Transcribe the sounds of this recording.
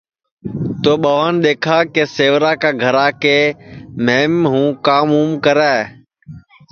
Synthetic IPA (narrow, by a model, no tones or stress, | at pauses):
t̪oːɓəʋaːnɗ̪eːkʰaːkeːseːʋɾaːkaːɡʱəɾaːkeːmeːmɦũːkaːmuːmkəɾɛː